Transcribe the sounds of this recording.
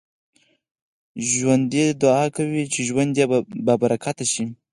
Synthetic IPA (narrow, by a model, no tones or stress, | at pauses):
ʒwand̪ed̪ʊɑkawit͡ʃɪʒwand̪jababaɾakat̪aʃi